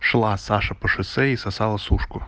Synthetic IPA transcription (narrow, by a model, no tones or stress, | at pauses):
ʃlˠɑsɑʃɐpɔʃʊsɛisɐsɑlˠɐsuʃkʊ